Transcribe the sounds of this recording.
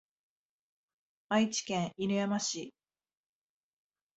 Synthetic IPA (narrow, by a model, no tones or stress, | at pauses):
ait͡ɕi̥kẽɰ̃iɾɯ̟jamaɕi